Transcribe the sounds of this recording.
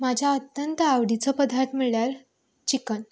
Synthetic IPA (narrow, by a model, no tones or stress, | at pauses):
mad͡ʑʱjaət̪jənt̪əawɽit͡səpəd̪ʱaɾt̪miɭɭjaɾ | t͡ɕikən